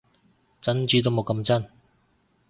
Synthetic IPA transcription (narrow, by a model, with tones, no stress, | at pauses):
t͡sɐ˨˥nt͡ʃyː˨˧t̪̬o˥wmo˨˧wkɐ˧˥mt͡sɐ˥n